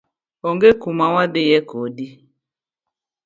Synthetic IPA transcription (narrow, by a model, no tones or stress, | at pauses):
ɔŋɡekumawabejɛkodi